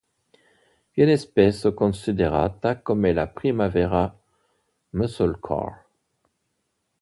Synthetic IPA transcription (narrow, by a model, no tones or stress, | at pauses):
bjɛnɛspɛsəkɔ̃sid̪eʁa̰t̪akɔmɛlapχimavɛʁa | məsɔlkʰɔ̰ʁ